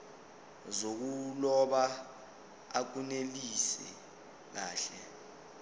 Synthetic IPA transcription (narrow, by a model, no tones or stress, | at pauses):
zok̬ulɔɓa | ak̬unelisɛ | k̬aːɬɛ